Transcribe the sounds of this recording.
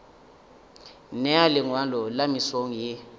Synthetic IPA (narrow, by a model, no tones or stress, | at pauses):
nɛalɪŋwalɔlamisoŋ̩je